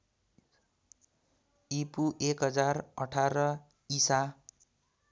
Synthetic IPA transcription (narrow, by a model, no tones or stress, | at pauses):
ipuʔekɦʌd͡zarʌʈʰaɾʌ | isa